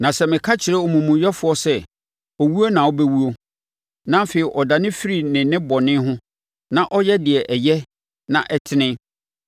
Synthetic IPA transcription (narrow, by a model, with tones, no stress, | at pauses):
nã˨sɛ˦mɪ̃˨kʰa˦t͡ɕʰɪ˨ɾɛ˦ɔ˨mũ˨mũ˨ɥɛ˦fʊ˨ɔ˦sɛ˦ | ɔ˨wu˦o˦nã˨ɔ˦bɛ˦wu˦o˦ | nã˦m˦feː˨ɾi˨ʔɔ˨da˨nɪ̃˦fi˦ɾi˨nɪ̃˨nɪ̃˦bɔ˨nɪ̃˦ɦʊ̃˦ | nã˦ʔɔ˦jɛ˦dɪ˨ɛ˨ʔɛ˨jɛ˦ | nã˨ʔɛ˦tʰɪ˦nɪ̃˦